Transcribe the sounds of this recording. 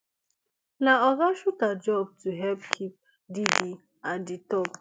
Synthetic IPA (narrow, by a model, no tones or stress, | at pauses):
naɔɡaʃutad͡ʒɔb̚tuɦɛlpkʰip̚ | didi | aditɔb